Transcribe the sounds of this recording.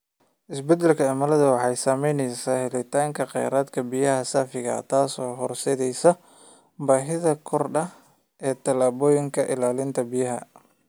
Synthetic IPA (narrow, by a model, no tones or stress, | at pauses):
ʔɪsbɛd̪ɛlkʰɐɛmɐlɐðɐwɑħɑjsaːmɛjnɛjsaːhɛlɪt̪ʰaːŋkʰɐqɑ̰jɾaːd̪kʰɐbijɐhɐsaːfɪɣɐ̰t̪ʰaːsɔːɦɔrsɛðɛjsɐ | baːħɪðɐkʰɔrɗɐh | ʔɛːt̪ʰɐlaːβɔːjɪŋkʰɐʔɪlaːlɪnt̪ʰɐbijɐɦɐ̰